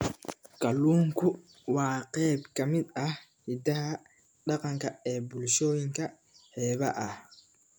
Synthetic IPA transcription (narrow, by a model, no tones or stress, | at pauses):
kɐluːŋkʰʊ | wɑːqɛːb̚kɐmɪd̪ɐh | hɪd̪ɐɦɐ | ɗɑqɑŋkʰɐɛːbʊlʃɔːjɪŋkʰɐ | ħɛːβɐʔɐh